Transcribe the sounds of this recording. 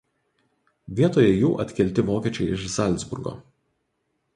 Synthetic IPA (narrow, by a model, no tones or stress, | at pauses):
ʋʲiɛt̪oːjɛjuːʔɐt̪ʲkʲɛlʲˑt̪ʲɪʋoːkʲiɛt͡ʃʲɛɪɪʃzɐlʲˑt̪zbʊ̰ɾɡo̰ː